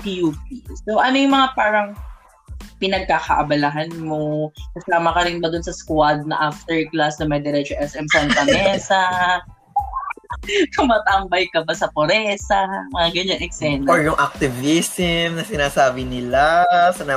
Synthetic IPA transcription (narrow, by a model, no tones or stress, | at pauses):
pijuːpisoʔɐnojʊŋmɐŋapaːɾɐŋ | pɪnɐɡ̚kakɐʔɐbɐlaɦanmokɐsaːmɐkɐɾɪnbɐd̪ʊnsɐskwad̪̚nɐʔaft̪ɛɹklasd̪ɐmɐd̪ɛɾɛt͡ʃoʔɛsʔɛmsɐnt̪ɐnɛsɐ | kɐmɐt̪ɐmbɐjkɐbasɐpoɾɛsɐmɐŋaɡɐɲanɛksɛnoɹjʊŋʔak̚t̪ɪvisɪmnɐsɪnaːsaːbɪnɪlasɐna